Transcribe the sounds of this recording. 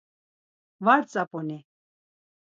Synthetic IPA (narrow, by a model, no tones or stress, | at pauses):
vaɾt͡sʼapʼɔni